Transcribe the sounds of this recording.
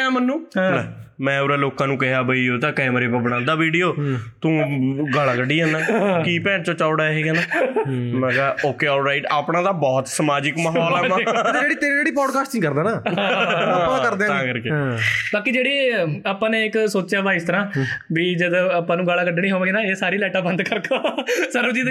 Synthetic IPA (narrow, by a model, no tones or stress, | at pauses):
ɛ̃ːmənːũː | mɛ̃ːoːɾaːloːkãːnũːkəɦjaːbəiːoːt̪ãːkɛːmɾeːbabəɽ̃ãːnd̪aːʋiːɖijoːt̪ũːɡalaːkəɖiːɛ̃ːnãːkiːpɛ̃ːɳʈt͡ʃõːt͡ʃaːʊɽaːɦeːɡɛːnaːmɛ̃ːɡaːoːkeːɔːlɾaːɪʈaːpɳãːd̪aːbɔːt̪səmaːd͡ʒɪkməɦɔːlɛːmãd͡ʒeːɽiːt̪eːɾĩd͡ʒeːɽiːpɔːɖkaːsʈnĩːkəɾd̪aːnãːɦã | kəɾẽãːkəɾkebaːkiːd͡ʒeːɽieːaːpãːneːɪksoːt͡ʃjaːbaːɪst̪əɾãːʋiːd͡ʒəd̪õaːpːãːnũːɡaːlakəɖːnĩːɦoːʋãːɡenaːeːsaːɾiːlɛːʈaːbə̃nd̪kəɾkosəɾəd͡ʒiːd̪